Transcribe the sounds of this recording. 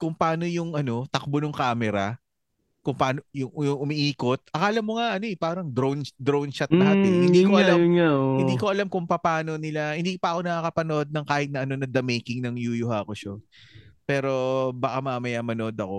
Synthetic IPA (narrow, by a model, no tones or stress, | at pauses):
kʊŋpɐaːno̞jʊŋɐno̞t̪ɐk̚bonʊŋkaːmɛɾɐ | kʊŋpɐaːnojʊŋjʊŋʔʊmiʔiːko̞t̪̚ʔɐkaːlɐmːoŋaʔɐno̞ʔɛpaːɾɐŋd̪ɾownd̪ɾownt͡ʃɐt̪̚naːt̪ɪnɪnd̪iːkoʔɐlamŋaoɪnd̪iːko̞ʔɐlamkʊŋpɐpaːno̞nɪlahɪnd̪iːkpɐʔɐko̞nɐkakɐpɐnoʔo̞d̪̚nɐŋkaːhɪt̪̚nɐʔɐno̞nɐd̪ɐmejkɪŋnɐŋjujʊhaːkoʃopɛːɾo̞bɐkamaːmɐjamɐnoʔod̪ɐko